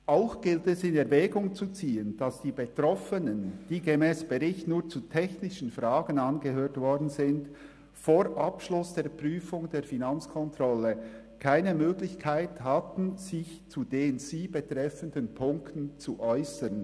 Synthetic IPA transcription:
ʔaʊxɡ̥ɪltɛsɪnɛɐvɛːɡʊŋt͡sut͡siːənd̥ɑsd̥iːbetɾɔfənənd̥iːɡemɛːsb̥eʁɪçtnuːɐt͡sutʰɛçnɪʃn̩fraːɡən̩ɑnɡəhøːtvɔɾdn̩zɪnd | foːɾʔɑpʃlʊsd̥eːɐpryːfʊŋdeːfinɑnt͡skʰɔntʁ̥ɔlːə | kʰaɪnəmøːɡlɪçkʰaɪthɑtn̩z̥ɪçt͡sudeːnz̥iːbetʁ̥ɛfəndənpʰʊŋktn̩t͡suʔɔʏsən

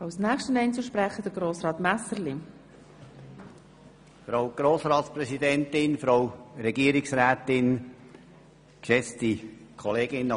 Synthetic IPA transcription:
ɑwsnæːkʃtənɛɪnt͡suʃpɾɛχəd̥əɡ̥ɾoːsɾɑːt̪mæsəɾli | fɾawɡ̥ɾoːsɾɑːtsprɛsidɛntɪnfɾowɾɛɡiəɾɪksɾæːtɪn | kʃɛt͡stikʰɔleːɡɪnː

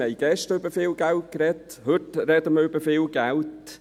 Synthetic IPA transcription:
ɛɪɡ̥ɛʃtəøbəfɪːlɡ̥alt̚kɾɛt | hʏtɾɛdəməøbəfɪːlɡalt

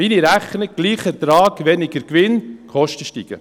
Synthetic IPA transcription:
iniɾæχnəɡ̥liːχət̪ɾɑːɡʋɛnɪɡəɾkʋɪnkʰɔʃtəʃtiɡ̥ə̰

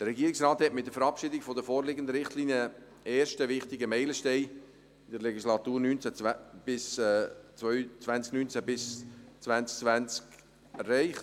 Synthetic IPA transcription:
d̥əɾɛɡiəɾɪksraːthɛtmɪt̚d̥əfəɾɑpʃɪdɪɡfodəfoːɾlɪɡəndəɾɪχtlinjə | eːɾʃtəvɪχtɪɡəmɛɪləʃtɛɪ | ɪdəɾlɛɡislɑt̪uːɾnyːnt͡sæb̥ɪst͡svœʏt͡svænt͡sknyːnt͡sæbɪst͡svænt͡sk̚t͡svænt͡sk | ɛrːɛɪχt

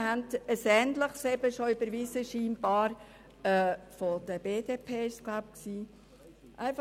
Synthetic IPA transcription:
hæntəsɛːntləχsɛbəʃoʏbəɾvisəʃiːmbɑːɾ | ɛːfod̥əb̥eːdepʰeːɪʃsɡ̥laʊp̚ksiː | ʔæ̰ɪfɑ

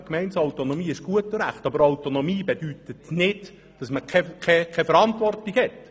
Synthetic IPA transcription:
kmɛɪnsaʊtonomiːɪʃɡ̥uətəɾæχtɑbəɾawtonomiːbed̥yt̪ətnɪd̥ | d̥ɑsməkʰɛkʰɛkʰɛfəɾɑntʋɔrtiɡhɛt

